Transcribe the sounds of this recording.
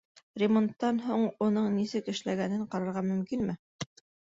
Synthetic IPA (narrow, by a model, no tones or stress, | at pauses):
rʲɪmo̞nt̪ːɑnɦuɴunɤɴnisɘkɘ̆ʃlæɡænɘɴqɑɾɑɾʁɑmɵ̆mkinmɘ